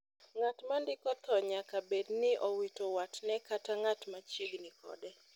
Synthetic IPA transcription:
ŋatmandɪkɔt̪ɔɲakabednɪʔɔwitowatnɛkataŋatmat͡ʃiɡnɪkɔ̰dɛ

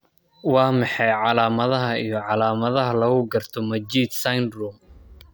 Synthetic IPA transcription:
wɑːmɑħɑjʕɑlaːmɐðɐɦɐijɞʕɑlaːmɐðɐɦɐlɐɣʊɡɐrt̪ʰɔmɐd͡ʒiːd̪sɐjnruːm

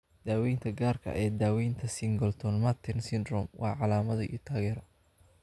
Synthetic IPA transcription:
d̪̥aːwɛjnt̪ʰɐɡaːrkʰɐ̰ʔɛːd̪aːwɛjnt̪ʰɐsɪŋɡɔlt̪ʰɔnmat̪ʰɛnsɪnd̪rɔmwʔɑ̰ːʕɑlaːmɐðɐḭːt̪ʰaːɣɛːɾɐ

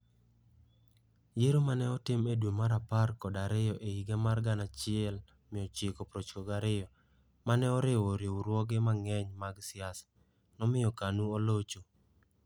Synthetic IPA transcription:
jeɾomanɛɔtɪmedwomaɾaparkɔdaɾɪjɔʔeiɡemarɡanat͡ʃɪɛl | mɪɔt͡ʃɪkɔpɾot͡ʃkoɡaɾɪjɔ | manɛɔɾɪwoɾeuɾwɔɡemaŋɛɲmaɡsɪas | nɔmɪjɔkanuolot͡ʃo

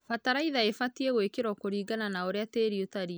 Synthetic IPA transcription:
fataɾaiðaefatieɣwekeɾwɔkoɾiːɡananaoɾeateɾiotaɾi

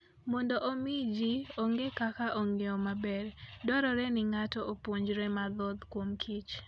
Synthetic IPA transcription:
mɔndɔʔomid͡ʒioŋɡekakaʔɔŋeɔmabɛɾdɔɾɔɾɛnɪŋatɔopwoɲd͡ʒɾɛmad̪ɔd̪kwomkʰit͡ʃ

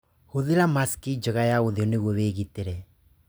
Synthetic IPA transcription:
hoðeɾamaskid͡ʒɔɣajaoðeɔneɣwɔweːɣiteɾɛ

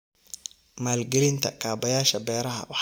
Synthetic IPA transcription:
maːlɡɛlɪnt̪ʰɐ̰kʰaːbɐjaːʃɐbɛːɾɐɦɐ̰wɑħ

